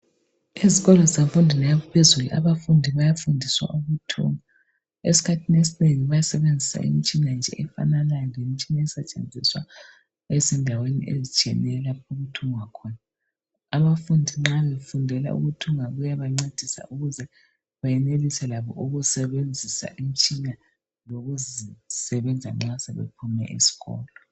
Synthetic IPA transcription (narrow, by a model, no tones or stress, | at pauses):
iziɣɔlɔzizaɱfundʱinajaβupʰezulṵʔa̰βafundʱiβajafundʱiswa̰ʔuɣutʰṵŋa | esi̥kʰatʰinesineŋiβajasɛβend͡zʱisa̰ḭmit͡ʃʼinand͡ʒʱɛ̰ʔɛfa̰nalalemit͡ʃʼinaɛsat͡ʃʼḛnd͡zʱiswa | ɛsɛndʱawenḭʔḛzit͡ʃʼɛ̰nɛlapuɣutʰuŋwakʰɔːnaː | βafundʱiŋ͡ǁaβefundʱɛla̰ṵɣutʰuŋaɣujaβaŋ͡ǀed̥ʱisa̰ʔuɣuzɛ | βajɛnelisɛlaβɔ̰ʔuɣusɛβend͡zʱisa̰ʔim̩t͡ʃʼina | loɣuzisɛβɛnd͡zʱa̰ŋ͡ǁasɛβḛpʰumɛ̰ʔisi̥ɣɔ̰ːlɔ